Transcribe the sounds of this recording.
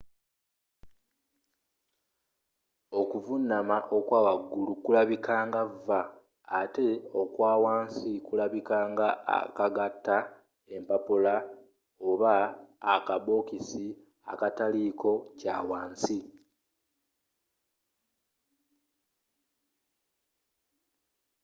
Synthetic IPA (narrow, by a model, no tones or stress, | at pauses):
o̞kuvunːamaʔo̞kwaːwaɡːulukulaβikaːŋɡavːaː | te̞o̞kwaːwaːnsikulaβikaːŋɡaa̰kaɡatːa | e̞mpapola | o̞βaːkaβo̞kisi | a̰katalikʰo̞caːwaːnsi